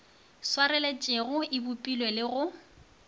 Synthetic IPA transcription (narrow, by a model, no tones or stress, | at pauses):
swarɛlet͡ʃʼeɣʊɪbʊpʼilwelɪɣʊ